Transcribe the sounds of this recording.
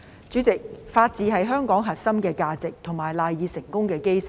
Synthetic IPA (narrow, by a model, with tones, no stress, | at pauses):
t͡ʃyː˨˥t͡sɪ˨k̚faː˧t̚t͡siː˨˧ɦɐ˨jɦœː˥ŋkɔː˨˥ŋɦɐ˨t̚sɐ˥mkɛː˧kaː˧t͡sɪ˨k̚t̪ʰʊ˨˩ŋmaː˨jlaː˨jːiː˨˧sɪ˨˩ŋkʊ˥ŋkɛː˧ke˥jsɐ̥˨